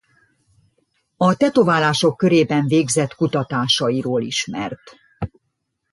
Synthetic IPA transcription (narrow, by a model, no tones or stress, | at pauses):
ɒt̪ɛt̪ovaːlaːʃo̞kːø̞ɾeːbɛɱveːɡzɛt̪kut̪ɒt̪aːʃɒiɾoːlḭʃmɛ̰rt̪